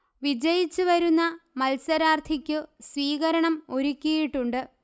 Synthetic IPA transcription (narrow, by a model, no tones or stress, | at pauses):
ʋid͡ʑɐjit͡ɕːuʋɐɾunːɐmɐlsɐɾaːrt̪ʰikʲːɨsʋiːɣɐɾɐɳɐmo̞ɾukʲːijiʈːuɳɖɨ